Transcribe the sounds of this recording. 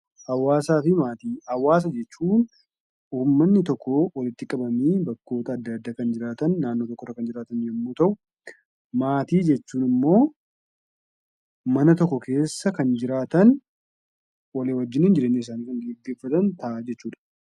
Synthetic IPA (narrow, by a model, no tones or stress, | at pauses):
hɐwːaːsaːfɪmaːt̪iːɐwaːs̬ɐd͡ʒɛt͡ʃːuːn | uːmːɐnːɪt̪ɔkːɔwɔlɪt̪ːɪkʼɐbɐmiːbɐkːo̞ːt̪ɐːd̪ːɐːd̪ːaːkɐnd͡ʒɪɾaːt̪ɐnːaːnːot̪ɔkːɔrɐkɐnd͡ʒɪɾaːt̪ɐnjɐmːuːt̪ɐʔʊ | maːt̪iːd͡ʒɛt͡ʃːuːnɪmːo̞ː | mɐnɐt̪ɔkːɔke̞ːsːɐkɐnd͡ʒɪɾaːt̪ɐn | wɐleːwɐd͡ʒːɪniːnd͡ʒɪɾeːnːiɪs̬aːniːkɐŋɡeɡːeːfɐt̪ɐnt̪ɐʔaːd͡ʒɛt͡ʃːuːᶑɐ̥